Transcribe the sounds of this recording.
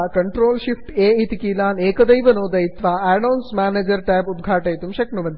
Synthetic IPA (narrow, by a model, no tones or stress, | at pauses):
kɐɳʈɾoːlɕifʈeːit̪ikiːlaːneːkɐd̪ɐjʋɐnoːd̪ɐjit̪ʋaɛnawnsmæːned͡ʑəɾʈaːjbud̪ɡʱaːʈejt̪umɕeknumɐn